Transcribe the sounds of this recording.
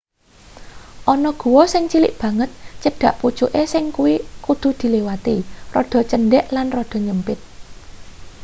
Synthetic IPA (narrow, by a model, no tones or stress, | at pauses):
ʔɔnɔɡ̥ṳwɔsɪŋt͡ʃilɪ̰ʔb̥ä̤ŋət̪̚t͡ʃəɖ̥a̤ʔput͡ʃuʔesɪŋkuwikud̪̥ṳd̪̥i̤lewat̪irɔɖ̪̥ɔ̤t͡ʃənɖɛʔlanrɔɖ̪̥ɔ̤ɲəmpɪt̪̚